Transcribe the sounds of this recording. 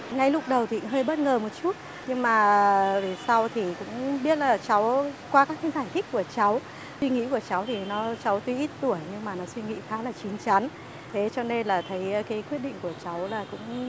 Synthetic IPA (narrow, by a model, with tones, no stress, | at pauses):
ŋa˧jlʊ˦˥k͡p̚ɗə˨˩wt̪ʰi˨˥ɦəː˧jɓə˦˥t̚ŋəː˨˩mo˨˩t̚t͡ɕu˦˥t̚ | ɲɨ˧ŋmaː˨˩ve˨˩sa˧wt̪ʰi˨˩kʊ̰˧˥ŋ͡mɓi˦˥ət̚laː˨˩t͡ɕa˨˦wkwaː˧kaː˦˥k̚ːa˨˦zaː˧˩jt̪ʰï˦˥k̟̚ku˧˩ət͡ɕa˨˦w | swi˧ŋḭ˧˥ku˧˩ət͡ɕa˨˦wt̪ʰi˨˩nɔ˨˦t͡ɕa˨˦wt̪wi˧ʔi˦˥t̚t̪u˧˩əjɲɨ˧ŋmaː˨˩nɔ˨˦swi˧ŋḭ˧˥xaː˨˦laː˨˩t͡ɕi˨˦nt͡ɕa˨˦n | t̪ʰe˨˦t͡ɕɔ˧ne˧nlaː˨˩t̪ʰə˨˦jkaː˨˦jkwi˦ət̚ɗḭ˧˨ŋ̟ku˧˩ət͡ɕa˨˦wlaː˨˩kʊ̰˧˥ŋ͡m